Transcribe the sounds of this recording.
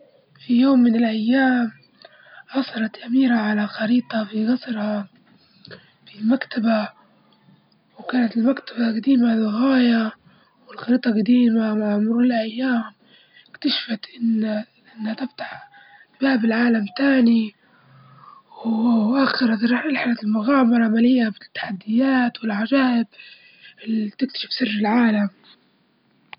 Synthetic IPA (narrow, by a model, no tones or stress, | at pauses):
fijoːmːɪnɪlʔajːaːm | ʔɑsˤɑɾˤɑt̪ʔamiːɾaʕalaxɑɾiːt̪ˤɑfiɣɑsˤɾha | filmakt̪aba | wkaːnat̪ɪlmakt̪ʰabaɡad̪iːmalɣɑːja | wɪlxɑɾiːt̪ˤɑɡad̪iːmamaʕʕʊmɾuːlɪlʔajːaːm | ɪkt̪aʃḁfat̪ʔɪnː | ʔɪnːhat̪ɪft̪ḁħ | baːbɪlʕaːlamt̪aːni | wʔaxɪɾat̪ɑʒɑʕnɪlħalat̪ɪlmʊɣaːmɑɾˤʕamalɪjːabɪt̪ːḁħad̪ːɪjaːt̪wɪlʕad͡ʒaːʔɪb | ʔɪlːit̪ɪk̚t̪ḁʃɪ̥fsɪrːɪlʕaːlam